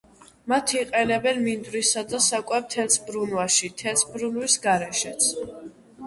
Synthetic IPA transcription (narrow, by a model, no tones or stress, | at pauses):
mat̪ʰiqʼɛnɛbɛnmind̪ɾisad̪asakʼwɛb̚t̪ʰɛlsʰbɾunwaʃit̪ʰɛlsbɾunwisɡaɾɛʃɛt̪sʰ